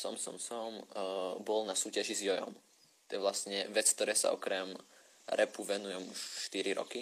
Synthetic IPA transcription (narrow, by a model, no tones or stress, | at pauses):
sɔ̰msɔ̰msɔmbɔlnasuːcaʒizjɔjɔ̰m | tt̪ɔjɛʋlastɲɛʋɛt͡sk̚t̪ɔɾɛːsa̰ɔkɾɛm | ɾʔɛpuʋɛnujumuʃʃt̪iɾiɾɔ̰ki